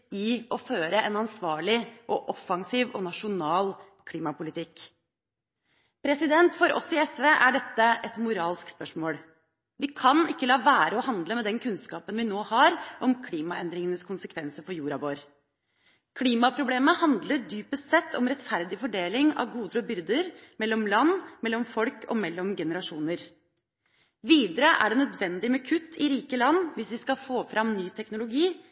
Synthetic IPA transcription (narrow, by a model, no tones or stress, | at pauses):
ɪɔføːɾəʔɛnɑnsʋɑːɭɪʔɔʔɔfɑŋsiːʋɔnɑʂʊnɑːl | kʰliːmɑpʊlɪt̪ʰɪkː | pʰɾɛsɪd̪ɛnt̪fɔɾʔɔ̰sɪɛsʋeːʔæɖɛt̪ːəʔɛt̪mʊɾɑːlskspœʂmoːl | ʋɪkʰɑnɪkːəlɑːʋæːɾəɔhɑnd̪ləmɛd̪ɛnkʰʉnskɑːpənʋɪnoːhɑɾʔɔmkʰliːmɑɛnd̪ɾɪŋənəskʰʊnsəkʰʋɛnsəɾpɔjuːɾɑʋoːɾ | kʰliːmɑpʰɾʊbleːməhɑnd̪ləɖyːpəsɛt̪ʰːɔmɾɛt̪fæɾd̪ɪfɔɖeːlɪŋɑ̰ʋɡuːd̪əɾɔbʏɾd̪əɾmɛlːɔmlɑnːmɛlːɔmfɔlkʰɔ̰mɛlːɔmɡɛnəɾɑʂuːnəɾ | ʋiːd̪əɾəʔæ̰ɖɛnœd̪ʋɛnd̪ɪmɛkʰʉt̪ʰːɪɾiːkəlɑnːʋɪsʋɪskɑfoːfɾɑmnyːt̪ʰɛknʊlʊɡiː